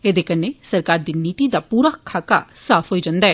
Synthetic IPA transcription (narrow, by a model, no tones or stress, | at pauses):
eːd̪eːkənːesəɾkaːɾd̪iːniːt̪id̪aːpuːɾaːkʰaːka̰saːpʰɦoːiːd͡ʒãːnd̪aːɛː